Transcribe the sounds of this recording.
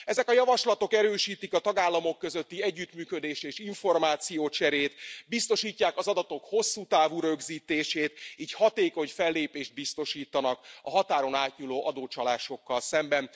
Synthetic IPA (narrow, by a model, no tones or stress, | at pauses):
ɛzɛkɒjɒvɒʃlɒt̪o̞kɛɾøːʃiːt̪ikɒt̪ɒɡaːlːɒmo̞kːøzøt̪ːiɛɟːyt̪myːkø̞d̪eːʃt̪eːʃiɱfo̞rmaːt̪sijoːt͡ʃɛɾeːt̪bist̪o̞ʃiːcːaːkɒzɒd̪ɒt̪o̞kho̞sːuːt̪aːvuɾø̞ɡziːt̪eːʃeːt̪iːchɒt̪eːko̞ɲfɛlːeːpeːʃt̪̚bist̪o̞ʃiːt̪ɒnɒkɒɦɒt̪aːɾo̞naːt̪ɲuloːʔɒd̪oːt͡ʃɒlaːʃo̞kːɒlsɛmbɛn